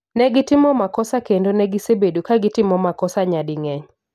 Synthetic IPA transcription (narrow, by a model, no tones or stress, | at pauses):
nɛɡɪtɪmɔmakɔsakendonɛɡɪsebedukaɡɪtɪmɔmakɔsaɲadɪŋɛɲ